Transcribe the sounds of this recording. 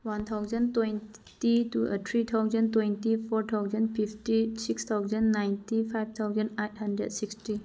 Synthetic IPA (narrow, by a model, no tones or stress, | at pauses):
want̪ʰawzəntwen | titṵt̪ʰɾit̪ʰawzəntwentipʰɔɾt̪ʰawzənpʰipʰtisikst̪ʰawzənːajntipʰajb̚t̪ʰawzənejt̚ʰhɐndɾɛ̰dsiksti